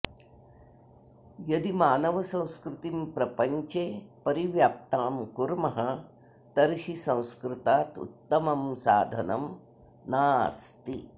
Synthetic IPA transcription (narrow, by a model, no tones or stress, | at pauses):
jɐd̪imaːnɐʋɐsɐ̃w̃skɾɪt̪impɾɐpɐɲt͡ʃeːpɐɾiʋjaːp̚t̪aːmkuɾmɐɦɐ | t̪ɐɾʃisɐ̃w̃skɾɪt̪aːt̪ṵt̪ːɐmɐmsaːd̪ʱɐnɐm | naːst̪i